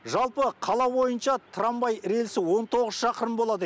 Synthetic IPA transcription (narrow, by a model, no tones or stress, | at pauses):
ʒɑlˠpəqʰɑlˠɑwo̞jənʃɑt̪ʰɾɑmbɑjɾe̞lsɪwo̞nt̪ʰo̞ʁəz̥ʃɑqəɾəmbo̞lˠɑd̪ə